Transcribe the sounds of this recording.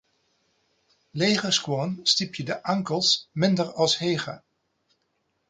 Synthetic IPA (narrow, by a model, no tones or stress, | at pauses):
lejχəskwɔnstipjədəʔɑŋkəlˠsmɪndəɹɑlˠsɦejχə